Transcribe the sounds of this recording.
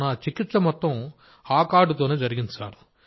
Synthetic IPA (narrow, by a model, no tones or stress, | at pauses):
naːt͡ʃikɪt̪ːsɐmɐt̪ːɐ̃ | aːkaːɽɯt̪̬oːned͡ʒɐɾɪɣɪnɐsa̰ːɾ